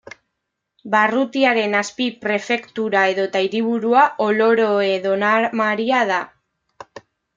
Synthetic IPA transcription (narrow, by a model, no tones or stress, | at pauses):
barut̪iaɾe̞naspipɾe̞fe̞kt̪uɾae̞ðo̞t̪aiɾiβ̞uɾuaʔo̞lo̞ɾo̞e̞ðo̞namaɾiað̞a